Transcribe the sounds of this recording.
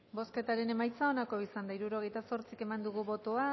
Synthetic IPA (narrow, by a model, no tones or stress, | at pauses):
bo̞ske̞t̪aɾe̞ne̞majt͡sao̞nako̞isand̪aiɾuɾo̞ɣ̞e̞jt̪aso̞ɾt͡sike̞mand̪uɣuβo̞t̪oa